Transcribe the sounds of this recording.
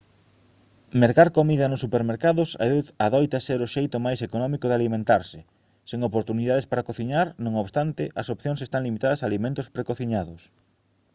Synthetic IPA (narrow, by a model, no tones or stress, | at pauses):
meɾɣaɾkomiðɐnʊsːupeɾmeɾkaðʊsa̰aðɔjt̪aseɾoʃejt̪ʊmajsekonɔmikoðɪalimẽnt̪aɾsɪ | seŋopoɾt̪uniðaðespaɾakoθiɲaɾnõŋoβst̪ant̪ɪʔɐsopθjõŋs̬est̪aŋlimit̪aðɐsaːlimẽnt̪ʊspɾekoθiɲaðʊs